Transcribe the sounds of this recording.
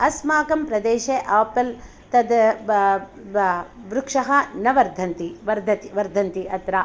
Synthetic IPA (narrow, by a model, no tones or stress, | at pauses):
ɐsmaːkɐmpɾɐd̪eːʃeʔaːpɐl | t̪ɐd̪ | ʋɾukʂɐɦɐnɐʋɐɾd̪ʱɐnt̪iʋɐɾd̪ʱɐt̪iʋɐɾd̪ʱɐnt̪iɐt̪ɾa